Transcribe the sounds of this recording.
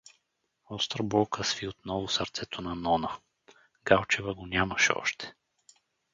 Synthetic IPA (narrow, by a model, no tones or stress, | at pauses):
ɔst̪ɾəbɔlˠkəsviot̪nɔvʊsɐɾt̪sɛt̪ʰonɐnɔnə | ɡ̥alˠt͡ʃɛvəɡonʲaməʃɛɔ̰ʃt̪ʰɛ̥